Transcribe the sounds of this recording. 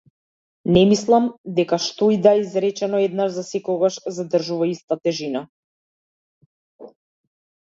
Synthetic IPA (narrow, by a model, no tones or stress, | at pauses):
nɛmislˠamd̪ɛkaʃt̪ɔid̪aɛizɾɛt͡ʃɛnɔɛd̪naʒzasɛkɔɡaʃzad̪r̩ʒuvaist̪at̪ɛʒina